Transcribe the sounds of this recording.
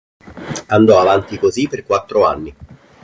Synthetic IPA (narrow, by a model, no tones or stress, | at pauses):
and̪ɔavant̪ikozipːerkwat̪ːɾoanːi